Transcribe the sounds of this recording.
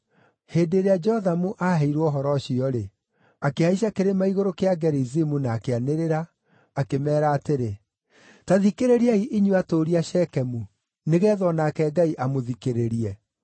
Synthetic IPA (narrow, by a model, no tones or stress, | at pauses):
heːdeɾead͡ʒɛhɔðamuʔaɦɛiɾwɔɦɔɾɔɕiɔɾe | akeaiɕ̬akeɾemaiɣoɾokeaɡɛɾizimunaːkeaneɾeɾaː | kemɛːɾaːteɾe | taðikeɾeɾiaiʔiɲuatoːɾiaʃɛkɛmu | neɣɛːðɔnakɛɡaiʔamoðikeɾeɾiɛ